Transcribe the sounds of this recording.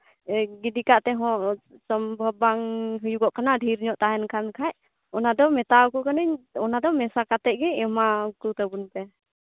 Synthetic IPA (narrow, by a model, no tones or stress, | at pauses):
ɡidikaʔt̪ɛɦɔ̃ʔsɔmbʱəbaŋɦujuɡɔʔkanadʱiɾɲɔʔt̪aɦɛnkʰankʰaʔ | ɔnad̪ɔmɛt̪awkukanəɲɔnad̪ɔmɛsakat̪ɛʔ̚ɡɛɔmakut̪əbunpɛ